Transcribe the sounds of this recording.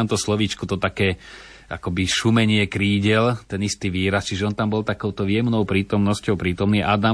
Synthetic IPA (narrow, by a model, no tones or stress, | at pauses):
amt̪ɔslɔʋiːt͡ʃkut̪ɔt̪akɛː | ʔa̰kɔbiʃumɛɲɪɛkɾiːɟɛlt̪ɛnist̪iːʋiːɾast͡ʃiʒɛɔnt̪ambɔlt̪akɔʊt̪ɔʊjɛmnɔʊpɾiːt̪ɔmnɔscɔʊpɾiːt̪ɔmniːʔad̪a